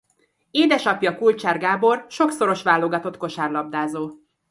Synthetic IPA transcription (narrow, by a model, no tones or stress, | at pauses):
eːd̪ɛʃɒpjɒkult͡ʃaːrɡaːbo̞rʃo̞kso̞ɾo̞ʃʋaːlːoɡɒt̪o̞t̪ko̞ʃaːrlɒb̚d̪aːzoː